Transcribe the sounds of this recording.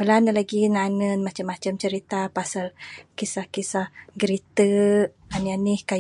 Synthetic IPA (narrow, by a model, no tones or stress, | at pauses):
bəlanəlaɡinanənmat͡ʃamːat͡ʃamt͡ʃəɾit̪apasalkisahkisahɡəɾit̪ə | anianihka